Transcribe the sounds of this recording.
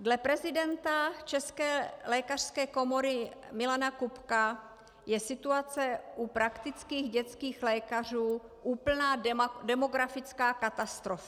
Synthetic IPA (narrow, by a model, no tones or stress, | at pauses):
dlɛpɾɛzɪdɛnt̪at͡ʃɛskɛːlɛːkar̥skɛːko̞mo̞ɾɪmɪlanakupka | jɛsɪt̪uat͡sɛʔupɾakt̪ɪt͡skiːɣɟɛt͡skiːxlɛːkar̝uːʔuːpl̩naːdɛmo̞ɡɾafɪt͡skaːkat̪ast̪ɾofa